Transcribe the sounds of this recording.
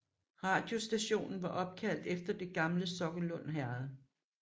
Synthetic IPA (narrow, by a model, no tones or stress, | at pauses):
ʁɑ̈ːd̥jo̝sd̥æɕo̝̰ːnn̩ʋɑ̈ʔɒ̽b̥̚kʰæl̰d̥efd̥ɐd̥e̝ɡ̥ɑ̈mləsɒ̽ɡ̥əlɔ̽n̰ɦæɐðˠ